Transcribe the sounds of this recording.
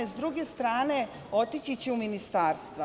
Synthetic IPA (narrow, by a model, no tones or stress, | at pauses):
ezd̪ɾuɡe̞st̪ɾaːne | o̞t̪it͡ɕit͡ɕeuminist̪aːɾst̪ʋa